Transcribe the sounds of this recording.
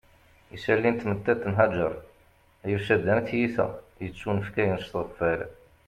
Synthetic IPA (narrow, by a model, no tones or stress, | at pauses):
isælːint̪mət̪ːæt̪ːnɦæd͡ʒə̰ɾˤ | æjəfʃæd̪ːænt̪jiθæ̰ | jət͡sːunəfkæjənʃt̪ˤəfæl